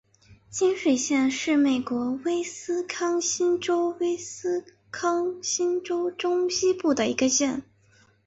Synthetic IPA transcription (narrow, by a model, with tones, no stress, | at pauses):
t͡ɕi˥nʂwe˨˩ɪɕjɛ˥˧nʂɻ̩˥˩me˨˩ɪkwɔ˧˥we˥ɪsɹ̩˥kʰɑ˥ŋɕi˥nʈ͡ʂo˥ʊwe˥ɪsɹ̩˥ | kʰɑ˥ŋɕi˥nʈ͡ʂo˥ʊʈ͡ʂʊ˥ŋɕi˥pu˥˩d̪ə˩ḭ˧˥ɡə˧ɕjɛ˥˩n